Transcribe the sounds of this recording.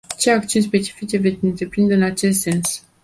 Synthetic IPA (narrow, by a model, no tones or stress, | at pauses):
t͡ʃe̞akt̪iunʲs̬pe̞t͡ʃi̥fit͡ʃe̞ve̞t̪sʲɨnt̪ɾe̞pɾind̪eɨnat͡ʃe̞st̪se̞ns